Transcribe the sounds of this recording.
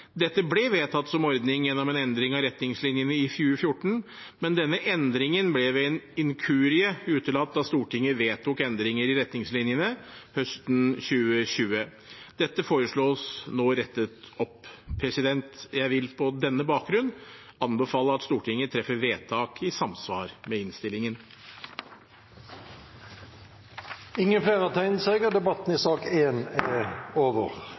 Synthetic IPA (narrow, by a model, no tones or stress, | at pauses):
d̪ɛt̪ːəblɛʋeːt̪ʰɑt̪ːsɔmɔɾd̪nɪŋjɛnːɔmɛnɛnd̪ɾɪŋɑɾɛt̪nɪŋslɪnjənəɪfjʉːəfjʊʈːɳ̩ | mɛnd̪ɛnːəʔɛnd̪ɾɪŋənblɛʋɛnɪŋkʰʉːɾɪəʉːt̪ʰəlɑt̪̚d̪ɑst̪uːʈʰɪŋːəʋeːt̪ʰʊkɛnd̪ɾɪŋəɾɪɾɛt̪nɪŋslɪnjənəhœst̪n̩ɕʉːəɕʉːə | d̪̥ɛt̪ːəfoːɾəʂɭoːsnoːɾɛt̪ːət̪ɔppʰːɾɛsɪd̪ɛnt̪jæɪʋɪlpʰɔd̪ɛnːəbɑːk̚ɡɾʉnː | ɑnbəfɑːləɑt̪st̪uːʈʰɪŋːət̪ʰɾɛfːəʋeːt̪ʰɑːkʰɪsɑmsʋɑːɾmɛɪnst̪ɪlɪŋən | ɪŋːənfleːʁɑt̪ʰæɪnseːɡəd̪ɛbɑt̪n̩ɪsɑːkeːnæoːʋəʁ